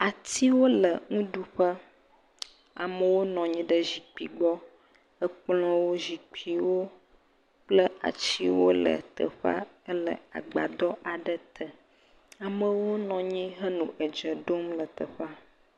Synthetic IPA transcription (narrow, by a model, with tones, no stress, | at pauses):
a˨t̪i˦wo˦lə˨ŋũ˦ɖu˦ɸə˦ | a̰˨mə˨wo˦nɔ̃˨ɲĩ˦ɖə˦ʑi˨k͡pi˨ɡ͡bɔ˦ | ə˦k͡plɔ̃˦wo˦zi˨k͡pʰi˨wo˦ | k͡plə˦a̰˨t͡ɕi˦wo˦lə̰˨t̪ə̰˨ɸa̰˦ | ə˦lə˨a̰˨ɡ͡ba̰˨d̪ɔ˦ʔa˨ɖə˨t̪ʰə˨ | a˨mə̃˨wo˦nɔ̃˨ɲĩ˦ɦə˦nũ˨ʔə˨d͡ʒə˨ɖo˦mlə˨t̪ə˨ɸa˦